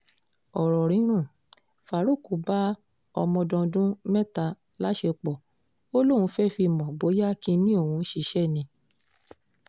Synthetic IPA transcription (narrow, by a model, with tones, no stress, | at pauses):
ɔ˨ɾɔ˨ɾ̃ĩ˨˦ɾ̃ũ˦˨ | fa˨˦ɾo˦˨ku˨ba˦ | ɔ̰˧mɔ̃˧dɔ̃˧dũ˦mɛ˦ta˧ | la˨˦ʃe˧k͡pɔ˨ | o˦lo˦˨wũ˧fɛ˦fi˧˨mɔ̃˨bo˨˦ja˦kĩ˧nĩ˦o˦˨wũ˧˦ʃi˧˦ʃɛ˦˨nĩ˧